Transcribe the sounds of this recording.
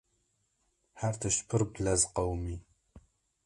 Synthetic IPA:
ħart̪ʰɐʃpʰɨrbɮɐzqɐwmiː

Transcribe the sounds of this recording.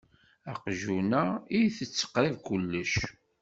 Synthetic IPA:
æqʒunæijθət͡sːə̥qɾivkʊlːəʃ

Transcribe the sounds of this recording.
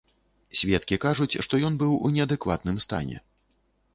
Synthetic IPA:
sʲvʲɛt̪̚kʲikaʐut͡sʲʂt̪ɔjɔnbɨwunʲɛɐd̪ɛkva̰t̪nɨmst̪a̰nʲɛ̰

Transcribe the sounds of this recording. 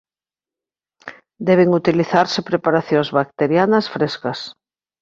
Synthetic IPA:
d̪ɛβ̞eŋut̪iliθaɾsɪpɾepaɾaθjoŋzβak̚t̪eɾjanɐsfɾeskɐs

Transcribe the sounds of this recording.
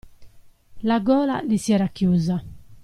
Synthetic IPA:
laɡɔːla̰lisjɛːɾakjuːza

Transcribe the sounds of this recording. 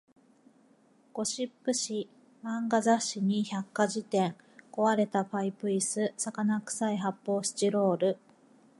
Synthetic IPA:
ɡ̥o̞ɕipːɯ̟ɕi | mãŋɡazaɕiɲ̟içakːaʑit̪ẽ̞ŋ | ko̞βaɾe̞t̪aɸaipɯ̟isɨsakanakɯ̟̥saiɦapːo̞ːɕi̥t͡ɕiɾo̞ːɾɯ̟

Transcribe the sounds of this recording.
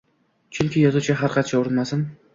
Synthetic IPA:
t͡ʃʰʊŋkʲɪjɒzʊt͡ʃʰaɦaɾqʰɑt̪t͡ʃʰaʊɾɪnmasɪn

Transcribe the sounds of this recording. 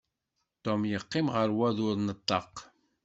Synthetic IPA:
t̪omjəqːɪmʁəɾwæðʊɾˤnət̪ˤːɑq

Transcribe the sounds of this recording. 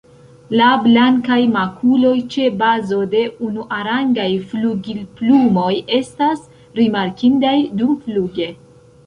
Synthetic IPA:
lablaŋkajmakʰulo̞jt͡ʃe̞bazo̞de̞unuʔaɾaŋɡajfluɡilplumo̞je̞stas | ɾimaɾkindajdumfluɡe̞

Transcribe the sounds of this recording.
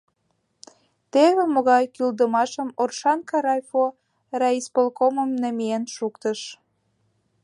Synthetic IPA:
t̪eβĕmoɣɑjkyld̪əmɑʃəmorʃɑnkɑɾɑjfo | rɑispolkoməmnə̆mienʃukt̪əʃ

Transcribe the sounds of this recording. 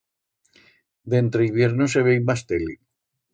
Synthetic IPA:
d̪ent̪ɾeiβjeɾnoseβejmast̪eli

